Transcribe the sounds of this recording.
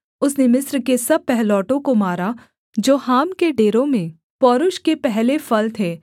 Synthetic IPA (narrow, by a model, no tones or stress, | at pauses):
ʊsnemɪsɾkesɐb̚pɛɦlɔːʈõkomaːɾa | d͡ʒoːhaːmkeɖeːɾõmẽ | pɔːɾʊʃkepɛɦlefʰɐlt̪ʰeː